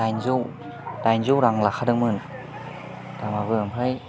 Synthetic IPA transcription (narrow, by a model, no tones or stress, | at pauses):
ajnzuw | dajnzuwɾaŋlaxʰadɯŋmɯn | tamabɯmpʰaj